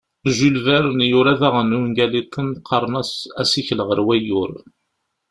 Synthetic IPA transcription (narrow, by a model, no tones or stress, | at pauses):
ʒulvæɾənjʊɾæðæʁənuŋɡælit̪ʰˤːənqʰːɑɾˤnæsæsiçləʁəɾwæjʊɾ